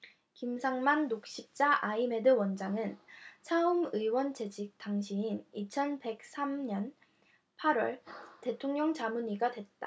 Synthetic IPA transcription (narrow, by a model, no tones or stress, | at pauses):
kimsʰaŋmanːok̚ɕ͈ip̚t͡ɕ͈aʔaime̞dɯwʌnd͡ʑaŋɯnt͡ɕʰaumɯiwʌnt͡ɕe̞d͡ʑik̚t͈aŋɕʰiinit͡ɕʰʌnbe̞k̚s͈ʰamɲʌn | pʰaɾwʌɭte̞tʰoŋɲʌŋt͡ɕamuɲiɡadwe̞t̚t͈a̰